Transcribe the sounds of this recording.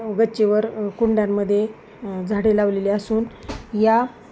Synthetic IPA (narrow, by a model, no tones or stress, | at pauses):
ɡət͡ɕeʋəɾkuɳɖjamːəd̪ʱːje | d͡zʱaɽelaʋleliasuːnja